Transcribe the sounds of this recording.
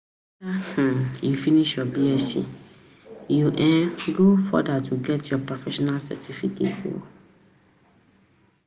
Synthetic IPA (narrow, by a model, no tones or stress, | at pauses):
ah̩jufiniʃjɔbiɛsḭ̃ | juʔɛ̃nɡofɔ̰datʰuɡɛtjɔpɹɔfɛʃɔnalsɛ̰tʰifikʰḛto̰